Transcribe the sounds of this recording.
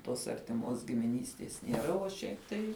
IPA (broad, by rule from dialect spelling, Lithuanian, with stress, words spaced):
toːs ɐrʲtʲɪˈmoːs ɡʲɪmʲɪˈnʲiːsʲtʲeːs nʲiɛˈrɐ oː ˈʃʲɛɪp tɐɪ